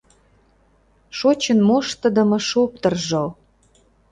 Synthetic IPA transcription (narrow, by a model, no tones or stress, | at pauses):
ʃot͡ɕənmoʃt̪ə̆d̪ə̆mɤ̆ʃop̚t̪ə̆rʒɤl